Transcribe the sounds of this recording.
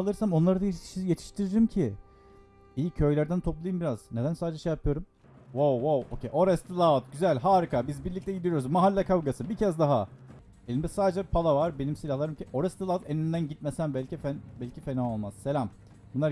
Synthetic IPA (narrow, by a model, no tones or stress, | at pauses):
lˠɯɾsamo̞nlˠaɾd̪ajet̪ʰi̥ʃt̪ʰiɾiɾimcʰi | iːcʰø̞jlʲæɾd̪ænt̪ʰo̞plˠajɯmbiɾaz̥ne̞d̪ænsaːd̪ed͡ʒɛʃejapʰɯjo̞ɾum | wowːowocʰḛjʔo̞ɾɛst̪ilˠat̪ɟyzælʲɦaːɾikabizbiɾlʲic̚t̪ʰɛɟid̪ijo̞ɾuzmaɦalʲːakʰavɡasɯbicʰɛzd̪aɦa | elʲimd̪ɛsaːd̪ed͡ʒɛpʰalˠavaɾbe̞nimsilʲahlˠaɾɯmcʰiʔo̞ɾɛst̪ilˠat̪enind̪ænɟit̪̚mesænbælʲcifænbælʲcʰifenaolˠmaz̥se̞lʲam | bunˠaɾ